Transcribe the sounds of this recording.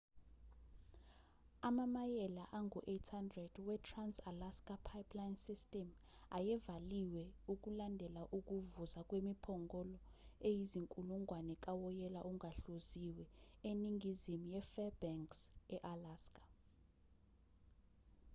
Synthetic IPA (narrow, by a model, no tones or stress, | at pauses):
amamajɛlaʔaŋuʔetʰhandrɛd̥wɛtʰransalaskʼapʰajpʰlajnsistʼɛm | ajɛvaliwɛuk̬ʼulandʱɛlaʔuk̬ʼuvuzak̬ʼwemipʰɔŋɡɔlɔejiziŋkʼuluŋɡʱwanɛk̬ʼawɔjɛlaʔuŋʱaɬoziwɛeniŋɡizimujɛfɛbɛŋksɛʔalaːskʼḁ